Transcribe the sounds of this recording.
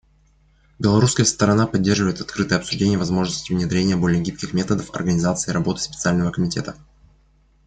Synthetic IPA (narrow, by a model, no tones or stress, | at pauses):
bʲɪlˠɐɾuskəjəst̪əɾɐnapɐdʲːerʐɨvəjɪt̪ɐt̪̚kɾɨt̪əjəɐpsʊʐdʲenʲɪjəvɐzmo̞ʐnəsʲtʲɪvnʲɪd̪ɾʲenʲɪjəbo̞lʲɪjəɡʲip̚kʲɪxmʲe̞t̪əd̪əfɐ̰rɡənʲɪzat̪sɨɪːɾʔɐbo̞t̪ɨ̥sʲpʲɪt̪sɨalʲnəvəkəmʲɪtʲet̪ə